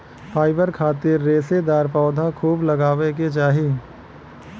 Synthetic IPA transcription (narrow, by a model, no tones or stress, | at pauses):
pʰaːɪbəɾkʰaːt̪ɪɾːeːsed̪aːɾpɔːd̪ʱakʰuːblɐɡaːʋek̬et͡ʃaːɦi